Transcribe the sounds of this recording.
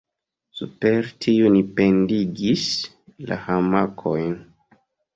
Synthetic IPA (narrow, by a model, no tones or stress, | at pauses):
supe̞ɾtʰiunipe̞ndiɡis | la̰hamakʰo̞jn